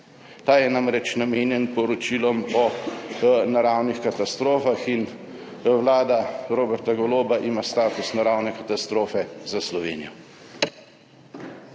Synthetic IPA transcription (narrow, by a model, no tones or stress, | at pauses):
t̪aːjɛnamɾɛt͡ʃnameːnjɛnpɔɾɔt͡ʃilɔmɔ | naɾaːwnixkat̪ast̪ɾoːfaxin | wlaːd̪aɾoːbɛɾt̪aɡɔloːbaʔimast̪aːt̪usnaɾawnɛkat̪ast̪ɾoːfɛzaslɔʋḛːnijɔ